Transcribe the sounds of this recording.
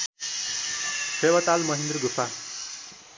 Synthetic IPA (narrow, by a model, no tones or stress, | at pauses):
sewat̪almʌɦĩnd̪rɡupʰa